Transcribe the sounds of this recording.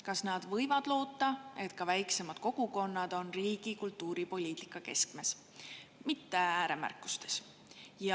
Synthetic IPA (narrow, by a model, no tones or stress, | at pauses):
kɑsnɑd̪̥vɤ̞jvɑd̪̥lo̞ːt̪ːˑɑe̞t̪kɑvæjksemɑd̪̥ko̞ɡ̥uko̞nːɑd̪̥o̞nriːɡ̥ikult̪ːuːɾipo̞lʲiːt̪ˑi̥kːˑɑke̞̰skme̞s | mit̪ːeæːɾe̞mæ̰rkːˑu̥st̪e̞̥s | jɑ